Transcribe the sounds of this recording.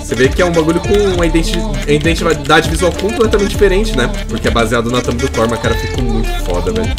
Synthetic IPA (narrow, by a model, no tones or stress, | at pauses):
sevekɪɛũbaɡuʎʊkõũɐid̪ẽt͡ʃiɐid̪ẽnt͡ʃivad̪ad͡ʒɪvizuawkõplɛt̪ɐmẽt̪t͡ʃɪd͡ʒ̥ifeɾẽnt͡ʃɪnɛ | poɾkeɛbaziad̪ʊnʊɐt̪ɐ̃mɐd̪ʊkɔɾmɐkaɾɐfikɐmũj̃t̪ʊ̥fɔ̰d̪ɐvɛ̰lʊ